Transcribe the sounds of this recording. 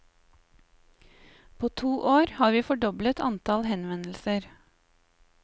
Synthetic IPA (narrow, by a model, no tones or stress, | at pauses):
pʰoːt̪ʰuːʔoːɾhɑːɾʋiːfɔɖɔblət̪ʰɑ̰nt̪ʰɑlhɛnʋɛnl̩səɾ